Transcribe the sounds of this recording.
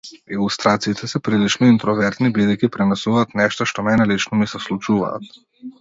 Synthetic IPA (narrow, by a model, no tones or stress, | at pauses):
ilˠust̪ɾat̪siːt̪ʰɛsɛpɾilit͡ʃnɔint̪ɾɔvɛɾt̪nibid̪ɛjcʲipɾɛnɛsuvaːt̪nɛʃt̪aʃt̪ɔmɛjnɛlit͡ʃnɔmisɛslˠut͡ʃuva̰ːt̪̚